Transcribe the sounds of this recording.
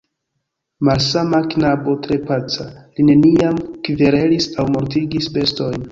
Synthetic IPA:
malsamaknabo̞tɾe̞pat͡saline̞niamkveɾe̞lisawmo̞ɾtiɡisbe̞sto̞jn

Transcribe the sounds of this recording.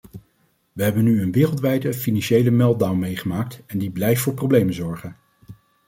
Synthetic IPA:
ʋəɦɛbənyənʋɪːrlˠtʋɛjdəfinɑnʃejləmɛl̚ˠdawnmejχəmaːk̚tɛndiblɛjftfʊːɹprowblejmənzɔɹχən

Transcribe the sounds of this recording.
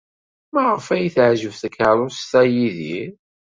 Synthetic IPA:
mæʁəfæjiθʕʒəvθəkəɾˤʊst̪æjiði

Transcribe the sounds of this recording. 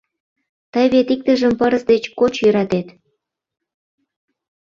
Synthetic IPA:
t̪əjβet̪ik̚t̪ə̆ʒəmpəɾəsd̪et͡ɕkot͡ɕjøɾɑt̪et̪

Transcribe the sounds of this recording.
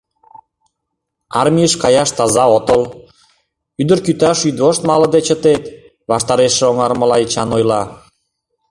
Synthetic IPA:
ɑrmʲijəʃkɑjɑʃt̪ɑzɑot̪əl | yd̪ərkyt̪ɑʃyd̪βoʃt̪mɑlɤ̆d̪et͡ɕət̪et̪ | βɑʃt̪ɑɾeʃeoŋɑɾmə̆lɑit͡ɕɑnojlɑ

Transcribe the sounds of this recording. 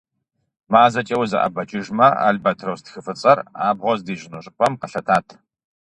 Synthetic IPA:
maːzɐt͡ʃʼɐwzɐ̰ʔɐ̰bɐt͡ʃʼɪʒmɐa̰ɮbɐtʰrɐwstxɨfɨt͡sʼɐra̰ːbʁʷɔzdiːʒɪnuɕʼɨpʷʼɐmqɐɬɐtʰaːtʰ

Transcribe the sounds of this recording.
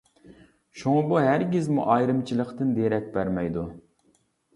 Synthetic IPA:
ʃuŋɑbuɦæɾɡʲizmṵʔɑjɾɨmt͡ʃʰilˠəqt̪ɨnd̪eɾɛk̚ʲbæɾmɛjd̪u

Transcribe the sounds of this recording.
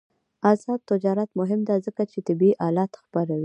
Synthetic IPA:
azɑd̪̚t̪ɪd͡ʒɑɾat̪mʊɦɪmd̪azəkat͡ʃet̪ɪbiʔɑlɑt̪xpaɾawi

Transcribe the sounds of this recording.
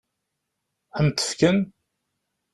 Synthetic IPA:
θənt̪ːə̥fkən

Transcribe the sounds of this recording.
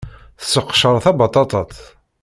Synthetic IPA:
θə̥sːəqːʃəɾˤθɑbɑt̪ˤɑt̪ˤɑt̪

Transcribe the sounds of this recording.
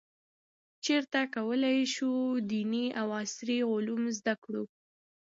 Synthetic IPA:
t͡ʃeɾt̪akawəlajʃud̪iniʔawɑsɾiɣʊlumzd̪akɽu

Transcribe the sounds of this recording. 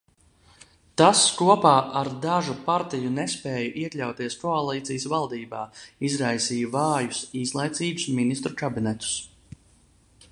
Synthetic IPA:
t̪askuɔpaːʔaɾd̪aʒupaɾt̪ijunɛspɛːjɐʔiɛklʲawt̪iɛskɔalˠiːt̪sijəsvalˠd̪iːbaːizɾajsiːjvaːjusiːslˠajt̪siːbusminist̪ɾukabinɛt̪u̥s

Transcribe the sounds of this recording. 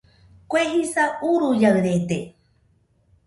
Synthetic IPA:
kʷeɦisauɾujawðet̪e

